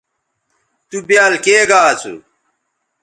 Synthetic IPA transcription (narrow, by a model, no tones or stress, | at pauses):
t̪ubjaːlkeːɡaːt͡sṵ